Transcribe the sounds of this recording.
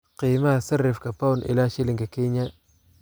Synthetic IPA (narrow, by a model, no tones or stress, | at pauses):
qiːmasɐrːɪfkapawnʔɪ̰laʃɪlɪŋkakiɲa